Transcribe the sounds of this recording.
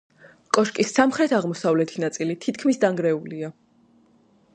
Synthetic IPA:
kʼɔʃkʼisamχɾɛt̪ʰaʁmɔsavlɛt̪ʰinat̪sʼilit̪ʰit̪ʰkʰmisd̪aŋɡɾɛulia

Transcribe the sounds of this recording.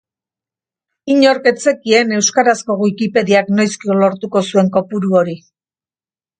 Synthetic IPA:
iɲo̞ɾke̞t͡se̞kie̞ne̞wskaɾasko̞ɣwikipe̞ðiakno̞jskio̞lo̞ɾt̪uko̞sue̞ŋko̞puɾuo̞ɾi

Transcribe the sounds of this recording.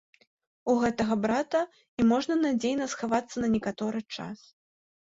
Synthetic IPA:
uɣɛt̪ɐɣɐbɾat̪ɐ | imɔʐnɐnad͡zʲejnɐsxavat̪sːɐnɐnʲɛkat̪ɔɾɨt͡ʂa̰s

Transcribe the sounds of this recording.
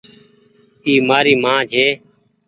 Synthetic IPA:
iːmaːɾiːmãːd͡ʒʱeː

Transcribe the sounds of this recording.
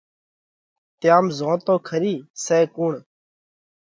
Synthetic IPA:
t̪ɪjaːmzõːt̪õːkʰəɾiːseːkuːɳ

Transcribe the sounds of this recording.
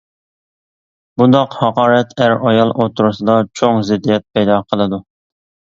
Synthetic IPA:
bund̪ɑqhɑqʰɑːɾɛt̪ʰæɾɑjɑlˠʔot̪ʰuɾusɨd̪ɑt͡ʃʰoŋzɪd̪ːijɛt̪̚pʰɛjd̪ɑːqʰəlˠɨd̪u

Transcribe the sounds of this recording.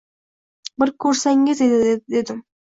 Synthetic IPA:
bɪɾkʲʰɵɾsæŋɡʲezed̪ɪd̪ed̪ɪ

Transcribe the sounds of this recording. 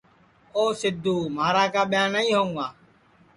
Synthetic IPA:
oːsɪd̪ʱuːmaːɾaːkaːɓɪjãːnəĩːɦoːŋãː

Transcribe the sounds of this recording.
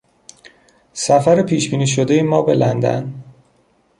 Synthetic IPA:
sæfæɾepʰiːʃbiːniːʃ̬od̪ejemɒːbe̞lʔænd̪æ̰n

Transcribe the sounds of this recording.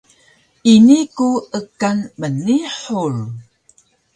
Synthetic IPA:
ʔinikuʔəkanməniħur

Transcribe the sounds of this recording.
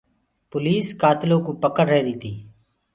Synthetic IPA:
pʊliːskaːt̪lõːkuːpəkəɽɾɛɦɾiːt̪ʰiː

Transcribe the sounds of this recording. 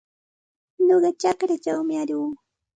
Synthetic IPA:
ɲoɢɑt͡ʃɑkɾat͡ʃawmɪaʎʊː

